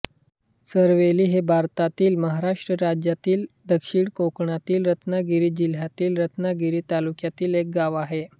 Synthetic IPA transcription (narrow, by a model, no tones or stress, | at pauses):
səɾʋeliːɦebʱaɾt̪at̪iːlməɦaɾaʂʈɾəɾad͡ʑjat̪iːld̪əkʂiːɳkokɳat̪iːlɾət̪naɡiɾiːd͡ʑil̤jat̪iːlɾət̪naɡiɾiːt̪alukjat̪iːlek̚ɡaʋaɦe